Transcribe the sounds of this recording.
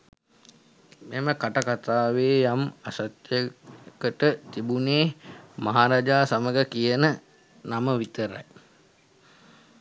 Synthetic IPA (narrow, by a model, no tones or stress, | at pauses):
meməkaʈakat̪aːʋeːjamasat̪jəkəʈət̪ibuneːmaɦaɾaːd͡ʒaːsaməɡəkijənə | naməʋit̪əɾa̰j